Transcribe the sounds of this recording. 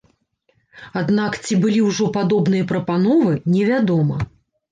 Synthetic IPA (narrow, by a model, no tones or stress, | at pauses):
ad̪nakt͡sʲibɨlʲiwʐɔpad̪ɔbn̪ɨjɐpɾɐpanɔvɨnʲɛvʲad̪ɔmɐ